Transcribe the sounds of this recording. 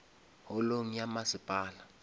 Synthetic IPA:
hɔloŋ̩jamasɪpʼaːla

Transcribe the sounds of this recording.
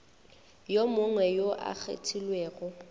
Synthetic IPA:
jomʊŋwɛjoʔa̰k͡xʰḛtʰilweːɣɔ

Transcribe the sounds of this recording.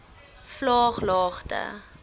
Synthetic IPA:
flɑːχlɑːχtə̰

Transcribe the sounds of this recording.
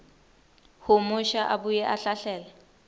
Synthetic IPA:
hʊmʊʃaʔabujɛʔaɬaɬɛːlɛ

